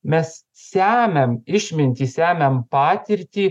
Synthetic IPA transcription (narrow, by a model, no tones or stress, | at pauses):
mʲɛs | sʲæːmʲɛmɪʃʲmʲɪnʲt̪ʲiːsʲæːmʲɛmpɑːt̪ʲɪɾʲt̪ʲiː